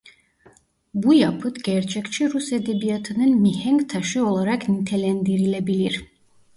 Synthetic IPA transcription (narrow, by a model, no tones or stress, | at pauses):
bujapʰɯt̪ɟ̥ɛɾt͡ʃʰɛcʲt͡ʃʰiɾused̪ebijat̪ʰɯnɯnmihɛŋkt̪ʰaʃɯo̞lˠaɾaknit̪ʰelʲænd̪iɾilʲebilʲiɾ